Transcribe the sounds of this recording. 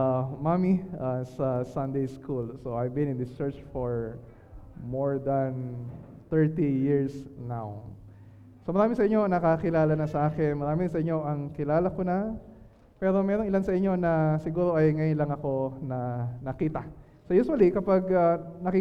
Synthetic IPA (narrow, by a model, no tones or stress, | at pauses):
mamiasɐsɐ̃nd̪ejskʰulsoʔajvbɪ̃nɪ̃nd̪ɪst͡ʃɛɹt͡ʃfoɹ | moɹd̪ɐn | t̪ɛɹt̪ijɪɹsnaw | somɐɾaːmɪsɐʔɪɲːo̞ŋnɐkakɪlaːlɐnɐsɐʔaːkɪnmɐɾaːmɪɾɪsɐʔɪɲːo̞ʔɐŋkɪlaːlɐkonɐ | pɛːɾo̞mɛːɾoŋɪlansɐʔɪɲːo̞nɐsɪɡuːɾo̞ʔɐjŋɐjʊnlɐŋɐko̞nɐnɐkiːt̪ɐ | sojuswɐlikɐpaɡanɐki